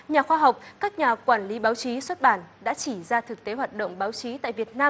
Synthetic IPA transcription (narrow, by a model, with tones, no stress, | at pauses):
ɲaː˨˩xwaː˧ɦa˨˩wk͡p̚kaː˦˥k̚ɲaː˨˩kwaː˧˩nli˨˦ɓaː˨˦wt͡ɕi˨˦swə˦˥t̚ɓaː˧˩nɗa̰ː˧˥t͡ɕi˧˩zaː˧t̪ʰɨ˨˩k̚t̪e˨˦ɦwaː˨˩t̚ɗə̰˧˨wŋ͡mɓaː˨˦wt͡ɕi˨˦t̪a̰ː˧˨jvi˨˩ət̚naː˧m